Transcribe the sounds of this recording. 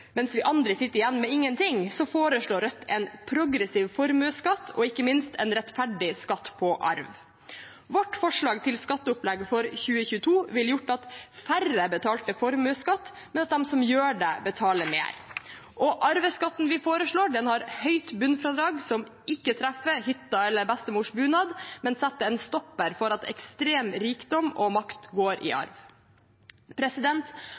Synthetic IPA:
mɛnsʋɪʔɑnd̪ɾəsɪt̪ːəɾɪjɛnːmɛɪŋːənt̪ʰɪŋsɔfoːɾəʂɭoːɾœt̪ːɛnpʰɾʊɡɾɛsiːʋfɔɾmʉːskɑt̪ʰːɔ̰ɪkːəmɪnst̪ʰɛnɾɛt̪fæɖɪskɑt̪ːpʰɔʔɑ̰ɾʋ | ʋɔʈfɔʂɭɑːɡt̪ʰɪlskɑt̪ːəʊplɛɡfɔɾçʉːəçʉːət̪ʰuːʋɪljʊʈːɑt̪færəbət̪ʰɑːlt̪əfɔɾmʉːskɑt̪ː | mɛnɑt̪̚d̪ɛmsɔmjøːɖɛbət̪ʰɑːləɾmḛːɾ | ʔɔʔɑɾʋəskɑt̪ːn̩ʋɪfoːɾəʂɭoːɖɛnhɑɾhœʏt̪bʉnfɾɑd̪ɾɑːɡsɔm | ʔɪkːət̪ʰɾæfəhʏt̪ːɑɛlːəɾbɛst̪əmuːʂbʉːnɑːd̪mɛnsɛt̪ːəɛnst̪ɔpːəɾfɔɾɑt̪ɛ̰kst̪ɾeːmɾiːkd̪ɔmɔmɑkt̪ɡoːɾʔɪ̰ʔɑ̰ɾʋ | pʰɾɛsɪd̪ɛnt̪

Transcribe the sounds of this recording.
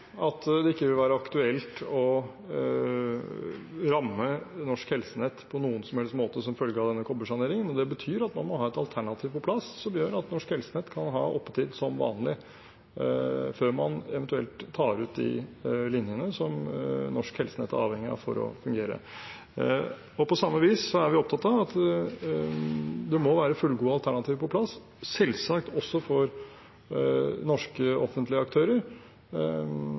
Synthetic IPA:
ɑt̪d̪ɛɪkːəʋɪlʋæːɾəɑkt̪ʉɛlt̪ɔ | ɾɑmːənɔʂkhɛlsənɛt̪ːpʰɔnuːənsɔmhɛlst̪moːt̪əsɔmfœlɡəɑʋd̪ɛnːəkʰɔbəʂɑneːɾɪŋənɔd̪ɛbət̪ʰyːɾɑt̪mɑnmɔhɑːɛt̪ɑlt̪ʰæɳɑt̪ʰiːʋpɔpʰlɑssɔmjøːɾɑt̪nɔʂkhɛlsənɛt̪ːkʰɑnɦɑ̰ːʔɔpːət̪ʰiːd̪sɔmʋɑ̰ːnlɪ | føːɾmɑnɛʋɛnt̪ʉɛ̰lt̪ʰːɑːɾʉːt̪̚d̪ɪ̰lɪnjənəsɔmnɔʂkhɛlsənɛt̪ːæ̰ɾɑ̰ːʋhɛŋːɪɑ̰fɔ̰ɾɔ̰fʉŋɡeːɾə̰ | ɔpɔsɑmːəʋiːsːɔæɾʋɪɔp̚t̪ɑt̪ːɑʋɑt̪ | d̪ɛmɔʋæːɾəfʉlːɡuːəɑlt̪ʰæɳɑt̪ʰiːʋpʰɔpʰlɑs | sɛlsɑkt̪ɔsːɔfɔɾ | nɔʂkəɔfənt̪lɪəɑkt̪ʰøːɾəɾ

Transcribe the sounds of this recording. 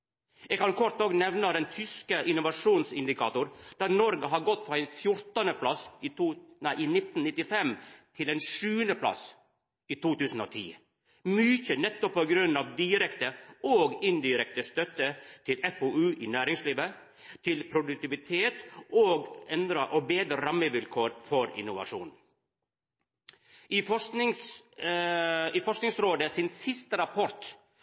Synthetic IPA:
ɛɡkɑnkʰɔɾʈ̪nɔknɛʋnəd̪ɛnt̪ʰʏskəʔɪnʊʋɑʂuːnsɪnd̪ɪkʰɑ̰ːt̪ʊɾd̪̥æɾnɔɾɡəɦɑɾɡɔt̪ːfɾɔɛɪnfjʊɾt̪ɑnəpʰlɑs | næɪʔinɪt̪n̩nɪt̪ːɪfɛmt̪ʰɪlɛnʂʉːənd̪əpʰlɑ̰s | iːt̪ʰuːt̪ʉːsn̩ɔ̰ːt̪ʰḭː | myːçənɛt̪ːɔpːɔɡɾʉnːɑʋd̪ɪɾɛkt̪əoːɡɪnd̪ɪɾɛk̚t̪əst̪œt̪ət̪ʰɪlɛfoʉːʔɪnæːɾɪŋsliːʋə | t̪ʰɪlpʰɾʊd̪ʉk̚t̪ɪʋɪt̪ʰeːt̪oːɡɛnd̪ɾəʔɔbeːd̪ɾəɾɑməʋɪlkʰoːɾfɔɾɪ̰nːʊʋɑ̰ʂṵːn | ɪfɔʂnɪŋs | ɪfɔʂknɪŋsɾoːd̪əsɪnsɪst̪əɾɑpʰɔɾt̪

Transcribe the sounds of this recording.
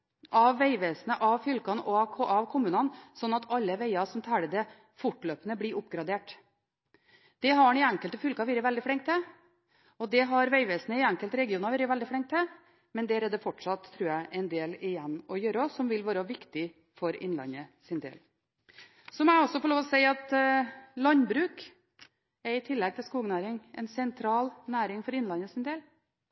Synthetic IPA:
ʔɑʋːæɪʋeːsənəʔɑʋfʏlkɑnʔɔɑkʰɔʔɑʋkʰʊmːʉːnɑnsɔnːɑt̪ʰɑlːəʋeɪɑsɔmt̪ʰæɽəd̪ɛ | fʊʈløːpənəblɪɾʔʊpɡɾɑd̪eːʈ | d̪̥ɛɦɑɳɪæŋkəlt̪əfʏlkɑʋiːɾəʋɛld̪ɪfɽɪŋkt̪ʰːɛ | ɔd̪ɛɦɑɾʋæɪʋɛːsənəɪæŋkəlt̪əɾɛɡɪuːnɑʋiːɾəʋæld̪ɪfɽɪŋkt̪ʰːɛ | mɛnd̪æɾɛd̪ɛfɔʈʂɑt̪ʰːɾʉːjæɪʔɛnd̪eːlɪjɛnːɔjøːɾəɔsɔmʋɪlʋɑːɾəʋɪkt̪ɪ | fɔɾɪ̰nlɑ̰nəsɪnd̪ḛːl | sɔmɔæɔsːɔfɔɾɭoːʋ̪ɔsɛɪɑt̪ | lɑnbɾʉːk | ɛɾɪt̪ʰɪlːɛɡ̚t̪ʰɪlskuːɡənæːɾɪŋɛ̰nsɛnt̪ʰɾɑːlnæːɾɪŋfɔɾɪnlɑnəsɪnd̪eːl

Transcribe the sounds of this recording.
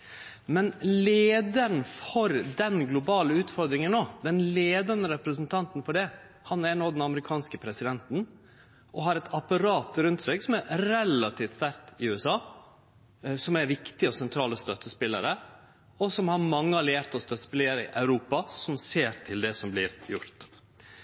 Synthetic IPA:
mɛnleːd̪əɾnfɔɾd̪ɛnɡlʊbɑːləʉːt̪fɔɾd̪ɾɪŋənːoːd̪ɛnleːd̪ɑɾnəɾɛpɾəsənt̪ʰɑnt̪nfɔɖɛ | hɑnæɾɳoːd̪ɛnɑməɾɪkʰɑːnskəpʰɾɛsɪd̪ɛnt̪n̩ | ʔɔɦɑɾɛt̪ʰɑpɑɾɑːt̪ɾʉnt̪seːɡsɔmæɾɾɛlɑt̪ʰiːft̪st̪æɾkt̪ɪʉːɛsɑː | sɔmæɾʋɪkt̪ɪəɔsɛnt̪ʰɾɑːləst̪œt̪ːəspɪlːə̰ɾə | ɔsɔmhɑɾmɑŋːəɑlɪæɾt̪ɔst̪œt̪ːə̥spɪlɪəɾəɪ̰ʔɑʉɾuːpɑsɔmseːɾt̪ʰɪld̪ɛsɔmblɪɾjʊ̰ɾt̪

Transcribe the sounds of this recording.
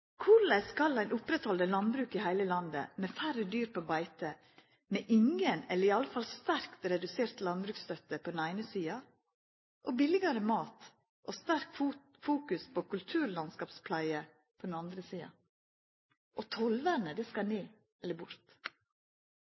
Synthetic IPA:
kʰʊɾlæɪskɑlæɪnʊpɾɛt̪hɔld̪əlɑnbɾʉːkiːhæɪləlɑnd̪ə̰meːfærəd̪yːɾpʰoːbɑɪt̪ə | meːʔɪŋənɛləɾɪɑləfɑlst̪æɾkt̪ɾɛd̪ʉseːɾt̪lɑnbɾʉːkst̪œt̪əpʰɔd̪n̩æɪnəsiːɑ | ʔoːbɪlɪɡɑɾəmɑːt̪ | ʔoːst̪æɾkː | fuːkʉspʰoːkʰʉlt̪ʰʉːɾlɑnskɑːpspʰlæɪə | pʰoɔd̪n̩ɑnd̪ɾəsiːɑ̰ | ʔot̪ʰɔlʋænəd̪ɛskɑneː | ɛlːəbʊɾt̪

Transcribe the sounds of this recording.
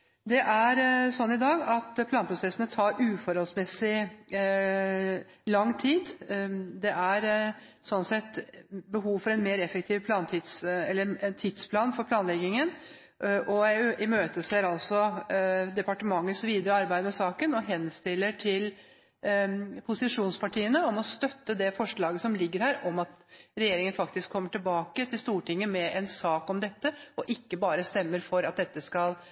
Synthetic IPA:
d̪ɛʔæɾsɔnːɪd̪ɑːɡɑt̪pʰlɑːnpʰɾʊsɛsənət̪ʰɑːɾʔʉːfɔɾhɔlsmɛsɪ | lɑŋːt̪ʰiːd̪d̪ɛʔæɾ | sɔnsɛt̪ːbəɦuːʋfɔɾɛnmeːɾɛfəkt̪ʰiːʋpʰlɑːnt̪ʰɪːd̪sɛlːəɛt̪ʰɪd̪̥spʰlɑːnfɔɾpʰlɑːnlɛɡɪŋən | ʔɔɪmøːt̪əseːɾɑlsɔd̪ɛpɑʈəmɑŋːəsʋiːd̪əɾəɑɾbæɪd̪əmɛsɑːkənɔɦɛnst̪ɪlːəʈʰɪl | pʰʊsɪʂuːnspɑʈiːənəɔmɔst̪œt̪ːəd̪ɛfɔʂɭɑːɡəsɔmlɪɡːəɾhæːɾʔɔmɑt̪ɾɛjeːɾɪŋənfɑkt̪ɪskʰːɔmːəʈɪlbɑːkət̪ʰɪlst̪uːʈɪŋːəmɛʔɛnsɑːkɔmd̪ɛt̪ːəɔʔɪkːəbɑːɾəst̪ɛmːəɾfɔɾɑt̪̚d̪ɛt̪ːəskɑl

